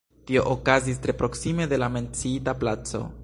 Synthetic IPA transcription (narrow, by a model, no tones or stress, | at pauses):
tio̞ʔokazis̬tɾe̞pɾo̞ksime̞de̞lame̞nt͡siitaplat͡so̞̰